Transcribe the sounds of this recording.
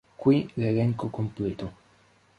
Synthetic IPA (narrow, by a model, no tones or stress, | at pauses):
kwilelɛŋkokomplet̪o